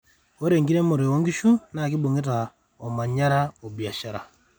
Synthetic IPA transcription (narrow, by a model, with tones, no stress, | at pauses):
o˦ɾe˨ŋɡi˦ɾɛ˦mo˨ɾe˨ɔ˦ŋɡi˦ʃu˦na˨ki˦bo˨ŋɡe˦ta˨ | ɔ˨ma˨ɲa˦ɾa˦o˨bja˨ʃa˨ɾa̰˨